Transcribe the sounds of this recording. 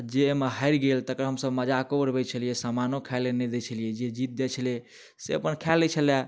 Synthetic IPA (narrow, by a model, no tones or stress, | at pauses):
d͡ʒeməɦaɪɾɡelt̪əkɾəɦəmsəbməd͡ʒakobəɾbɛt͡ʃʰəlijesəmanokʰalenɛd̪et͡ʃʰəlijed͡ʒed͡ʒit̪̚d̪ɛt͡ʃʰəlije | seəpənkʰalːɛt͡ʃʰəlɛ